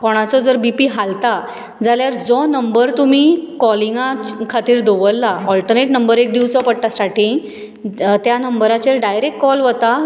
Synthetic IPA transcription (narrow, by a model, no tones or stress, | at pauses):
kɔɽ̃at͡sɔd͡zəɾbipiɦalt̪a | d͡zaljaɾd͡zɔnəmbəɾt̪umikɔlĩŋɡakʰat̪iːɾd̪oʋəlːaɔlʈəɾneʈnəmbəɾek̚d̪iwt͡sɔpəɽʈ̪asaʈi | t̪janəmbəɾat͡ɕeɾɖajɾekʈkɔlʋət̪a